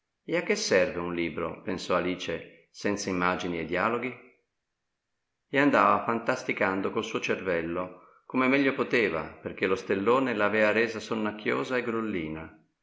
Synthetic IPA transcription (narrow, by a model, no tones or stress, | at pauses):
eakːesːɛrveunliːbɾo̰pensɔaliːt͡ʃe | sɛnt̪saimːaːd͡ʒinied̪ːjaːloɡi | eand̪aːvafant̪ast̪ikand̪okolsuːot͡ʃervɛlːo | komemɛʎːopot̪eːva̰perk̟elost̪elːoːnelaːvɛːvaɾeːzasonːak̟ʰːjo̰ːzaeɡɾolːiːna